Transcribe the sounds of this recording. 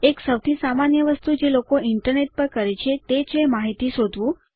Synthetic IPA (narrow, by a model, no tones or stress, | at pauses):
eksəwt̪ʰisamanjəʋəst̪ud͡ʒelokoɪɳʈəɾneʈ̚pəɾkəɾet͡ʃʰet̪et͡ʃemaɦit̪iʃod̪ʱʋũ